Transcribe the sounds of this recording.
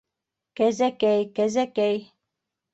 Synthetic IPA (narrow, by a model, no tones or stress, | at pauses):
kæzækɛjkæzækɛj